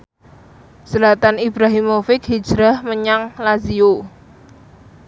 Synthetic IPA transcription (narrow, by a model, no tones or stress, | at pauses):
səlat̪anib̥ɾaɦimofɪkhid̥ʒ̥ɾahməɲaŋlazio